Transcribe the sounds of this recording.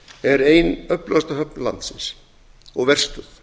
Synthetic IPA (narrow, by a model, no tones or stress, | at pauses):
ɛɾeːjnœplast̪aɦœpnla̰nt̪sɪns | ɔɣvɛr̥st̪ʏθ